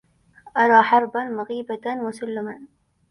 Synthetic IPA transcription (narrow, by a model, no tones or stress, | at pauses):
ʔɑɾˤɑːħɑɾˤbanmʊɣiːbanmʊsʊlːɪman